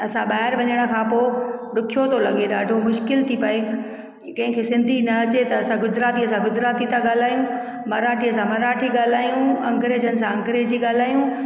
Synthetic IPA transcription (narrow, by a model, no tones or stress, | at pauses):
ɐsãɓaːɦɪɾʋɐɲəɽ̃ə̆kʰãːpoːɗʊkʰijot̪ʰolɐɠeɗaːɖʱomʊʃkɪlt̪ʰipɐe | kɐ̃ɦɪ̃kʰesɪ̃nd̪ʱinɐɐt͡ɕet̪ɐːsãɡʊzɾaːt̪iəsãɡʊd͡ʑɾaːt̪it̪ʰãɠaːl̤aːjũ | mɐɾaːʈʰijəsãmɐɾaːʈʰiɠaːl̤aːijũɐ̰̃ŋɡɾeːd͡ʑənɪ̆s̬ãɐ̃ŋɡɾed͡ʑiːɠaːl̤aːjũ